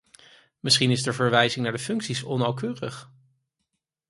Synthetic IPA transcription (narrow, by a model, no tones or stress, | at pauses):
məsχinɪzdəɹvəɹʋɛjzɪŋnaːɹdəfɵŋksisɔnawkøːrə̰χ